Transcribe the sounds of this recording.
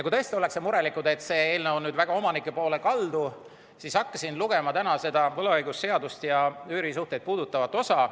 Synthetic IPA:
jɑkujt̪ɤest̪iole̞ksemuɾe̞likˑud̪e̞t̪ːˑse̞ːeːlneo̞nnyːd̪væɡ̥ɑo̞mɑnikːˑe̞po̞ːlekɑld̪u | sisɑkːɑsinluɡ̥e̞mɑt̪ænɑse̞d̪ɑvɤlɑɤjɡ̥usːe̞ɑd̪ust̪jɑyːɾisuht̪e̞jd̪̥̚puːd̪̥ut̪ːˑɑvɑt̪ːˑo̞sɑ

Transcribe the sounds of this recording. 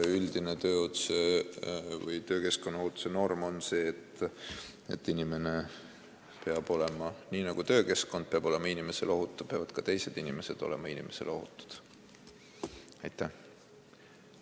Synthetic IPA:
yld̪̥inet̪ø̞ːot̪se | vɯjt̪ø̞ːke̞sko̞nːɑot̪ːu̥seno̞rmo̞nse̞ːt̪ː | e̞̰t̪ːˑinime̞ne̞ | pe̞ɑb̥o̞le̞mɑniːnɑɡ̥ut̪ø̞ːke̞skˑo̞nd̪̚peɑb̥o̞lemɑinimesḛlo̞ɦut̪ːˑu̥peɑvɑd̪̥̚kɑt̪e̞jse̞d̪̥inime̞se̞d̪̥o̞̰le̞̰mɑinime̞se̞lo̞ɦṵt̪ːˑu̥d̪̥ | ɑjt̪ːˑæ

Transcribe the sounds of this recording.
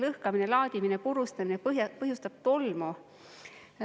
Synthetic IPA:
lɤhkɑminelɑːd̪̥ʲiminepuɾust̪ɑminejpɤɦjust̪ɑb̥̚t̪olmo

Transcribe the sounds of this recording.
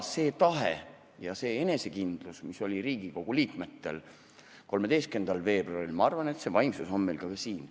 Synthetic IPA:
se̞ːt̪ɑɦe | jɑse̞ːe̞ne̞se̞kind̪̥lusmiso̞lʲiɾiːɡ̥iko̞ɡ̥uliːkme̞t̪ːe̞̰l | ko̞lme̞d̪e̞jst̪̚ke̞nd̪̥ɑlve̞ːbruɑilmɑɑrvɑne̞t̪se̞vɑjmsuso̞nme̞jlkɑkɑsiːn

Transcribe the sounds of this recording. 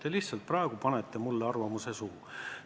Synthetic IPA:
t̪eliht̪sɑlt̪̚prɑeɡ̥upɑnet̪ːe̞mulːeɑrvɑmuse̞suː

